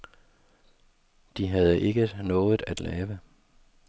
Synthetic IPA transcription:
d̥iɦæð̞ˠəʔe̝ɡ̥ənɔ̽ːð̩ˠæd̥lɛ̰ːʋə

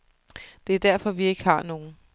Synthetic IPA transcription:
d̥e̝æɐd̥æɐ̰fɒ̽ʋie̝ɡ̥əhɑ̈no̝ːn̩

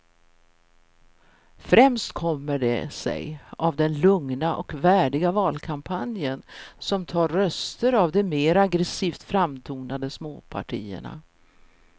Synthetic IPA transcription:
fɾɛmst̪kʰɔmːəɖɛ̰sɛ̰javd̪ɛnlɵŋnaʔɔkvæːɖɪɡavɑːlkʰampʰanjənsɔmt̪ʰɑːɾːœst̪əɾavd̪ɔmeːɾaɡɾɛsiːft̪fɾamt̪ʰuːnad̪əsmoːpʰa̰ʈʰḭːə̰ɳa̰

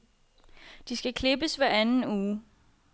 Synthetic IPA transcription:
d̥isɡ̥ækʰle̝b̥əsʋæɐænn̩uː

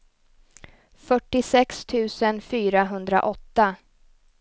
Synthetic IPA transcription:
fœʈːɪsɛkst̪ʰʉ̟ːsənfyːɾaɦɵnd̪ɾa̰ʔɔt̪ːa

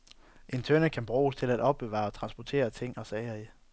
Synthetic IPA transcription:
ʔe̝nt͡sʰønəkʰænb̥ʁuːst͡sʰe̝læd̥ɒ̽b̥̚ːe̝ʋɑ̰̈ɒt͡sʰʁɑ̈nsb̥ɒt͡sʰe̝̰ːɐt͡sʰe̝ŋ̰ɒ̽sɛːɐi

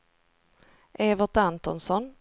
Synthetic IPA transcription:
ʔeːvəʈ̪ant̪ɔnsɔn

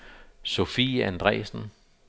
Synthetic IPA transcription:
so̝fiːænd̥ʁɛ̰ːsn̩

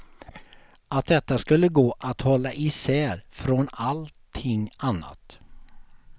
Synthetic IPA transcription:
at̪̚d̪ɛt̪ːaskɵlːəɡoːʔat̪hɔlːaʔɪsɛːɾfɾɔnalt̪ʰːɪŋːanːa̰t̪

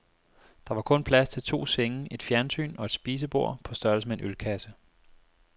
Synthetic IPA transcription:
d̥ɑ̈ʋɑ̈kʰɔ̽npʰlæst͡sʰe̝lt͡sʰo̝̰ːseŋəe̝d̥fjæɐnsy̰ːnɒ̽e̝d̥sb̥iːs̬əb̥o̝ɐ̰pʰɒ̽sd̥ɶɐl̩səmee̝nʔølkʰæsə

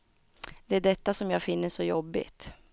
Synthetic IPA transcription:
d̪̥ɛæɖɛt̪ːasɔmjɑːɡfɪnːəʂɔjɔbːɪ̰t̪

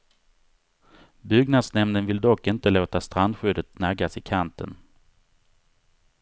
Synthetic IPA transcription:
bʏɡnad̪snɛmnənvɪld̪ɔkːɪnt̪əloːt̪ast̪ɾand̪ɧʏd̪ət̪næɡasɪkʰant̪ʰə̰n

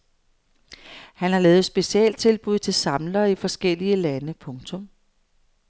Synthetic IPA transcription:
hænɑ̈lɛːð̩ˠsb̥e̝siɛ̰ːld̥̚t͡sʰe̝lb̥uð̰ˠt͡sʰe̝lsɑ̈mlɐifɒ̽sɡ̥el̰iəlænəpʰɔ̽ŋt͡sʰɔ̽m

